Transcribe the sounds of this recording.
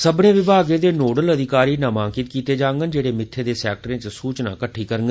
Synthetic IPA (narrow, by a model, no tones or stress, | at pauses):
səbnẽːʋɪbʱaːɡẽːd̪eːnoːɖələd̪ʱɪkaːɾiːnãːmãːŋkɪt̪̚kiːt̪eːd͡ʒãːŋɡənd͡ʒeːɽeːmɪt̪ʰːeːd̪eːsɛːk̚ʈɾẽːt͡ʃsuːt͡ʃna̰ːkəʈʰːiːkəɾəŋɡə